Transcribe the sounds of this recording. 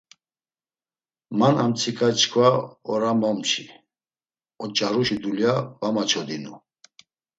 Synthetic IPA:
manamt͡sʰikʰʼat͡ʃʰkʰvaɔɾamɔmt͡ʃʰi | ɔt͡ʃʼaɾuʃid̪uljavamat͡ʃʰɔd̪inu

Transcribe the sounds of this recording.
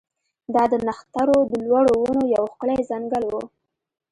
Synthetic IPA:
d̪ɑd̪ənaxt̪aɾod̪əlwɑɽowunojawxkɭejzaŋɡəlwu

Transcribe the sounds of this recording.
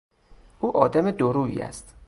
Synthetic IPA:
ʔuːʔɒːd̪æmed̪oɾuːḭːæ̰st̪

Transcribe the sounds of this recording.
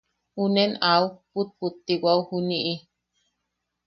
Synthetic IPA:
unenauput̪̚put̪ːiwauhuniʔi

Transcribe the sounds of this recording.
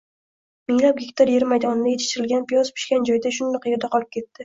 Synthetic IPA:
mɪŋlap̚ɡʲɪkʲt̪ʰaɾje̞ɾɪmajd̪ɒnɪd̪ajeɪ̥ʃt̪ɪɾɪlɡʲanpijɒzpʰɪ̥ʃkʲand͡ʒɒjd̪aʃʊnd̪ɪqʰjɾd̪aqʰɒlˠɪp̚kʲʰe̞t̪ːɪ

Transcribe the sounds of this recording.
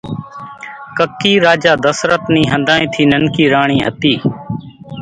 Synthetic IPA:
kəkːiːɾaːd͡ʒaːd̪əsɾət̪nĩːɦə̃nd̪aːĩːt̪ʰiːnənkiːɾaːɳ̃iːɦət̪iː

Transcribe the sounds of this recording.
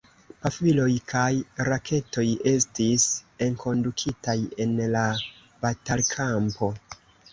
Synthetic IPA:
pafilo̞jkʰajɾakʰe̞to̞je̞stise̞ŋkʰo̞ndukʰitaje̞nla | b̥atalkʰampo̞

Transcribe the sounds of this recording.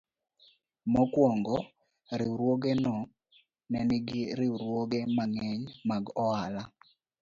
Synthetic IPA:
mɔkwɔŋɡɔ | ɾɪuɾwoɡɛnɔ | nɛnɪɡɪɾɪuɾwoɡɛmaŋɛɲmaɡɔala

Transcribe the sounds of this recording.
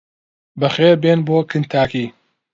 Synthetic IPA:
bɐχeːbenboːkʰɨnt̪ʰaːkiː

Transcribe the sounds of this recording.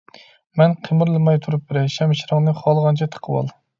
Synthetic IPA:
mɛnqʰəmɨɾlˠɨmɑjt̪ʰuɾup̚bɪɾɛʃɛmʃɾɑŋnɨχɑlˠʁɑnt͡ʃʰɛt̪ʰə̥qʰəwɑ̰lˠ

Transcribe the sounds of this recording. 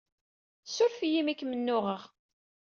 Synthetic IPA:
sʊɾfijimikːmənːʊʁəʁ

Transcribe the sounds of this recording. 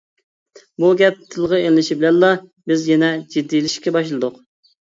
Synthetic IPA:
buɡʲɛp̚t̪ʰːɨlˠʁəelːɪʃibɪlɛnlɑbɪzjɛnɛd͡ʒid̪ːijlɪʃkʲɛbɑʃlˠɨd̪ʊq

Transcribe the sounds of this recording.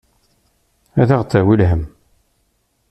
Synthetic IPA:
æðaʁt͡sːæwilɦəm

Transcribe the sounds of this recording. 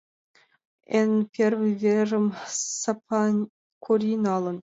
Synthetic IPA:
enpʲervɨjvʲeʐɘ̆msɑpʰɑ | kʰurʲinʲɑlˠɤ̆n

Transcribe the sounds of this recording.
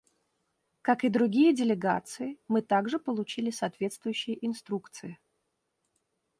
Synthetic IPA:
kakɨd̪ɾʊɡʲijədʲɪlʲɪɡa̰t̪sɨɪmɨt̪aɡʐɨpəlˠʊt͡ɕilʲɪsɐːt̪vʲe̞t̪st̪vʊjʉɕːɪjəʔɪnst̪ɾukt̪sɨɪ

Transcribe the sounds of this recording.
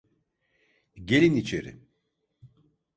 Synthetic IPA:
ɟe̞lʲinit͡ʃʰḛɾḭ

